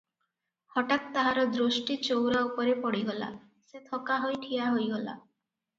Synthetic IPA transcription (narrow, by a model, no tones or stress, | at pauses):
hɔʈat̪t̪aɦaɾɔd̪ɾosʈit͡ʃowɾaupɔɾepɔɽiɡɔla̰ | set̪ʰɔkaɦojʈʰijaɦojɡɔla̰